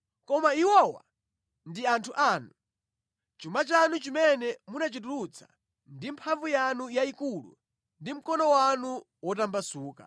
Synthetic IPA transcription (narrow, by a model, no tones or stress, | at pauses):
kɔmaiwɔwa̰ | ndiantʰuʔaːnu | t͡ʃumat͡ʃanut͡ʃimɛnɛmunat͡ʃituɾut͡sʰḁ̰ | ndimpʰaɱvujanujaikulṵ | ndim̩kɔnɔwanu | wɔtambasuːka̰